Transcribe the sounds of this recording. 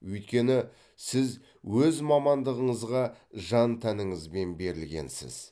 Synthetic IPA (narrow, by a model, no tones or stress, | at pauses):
wɵjt̪̚kʲe̞nɪ | sɪz | wɵzmɑmɑnd̪əʁəɴəzʁɑʒɑnt̪ʰænəɴəzbe̞nbe̞ɾɪlɡʲe̞̰nsɪ̰z̥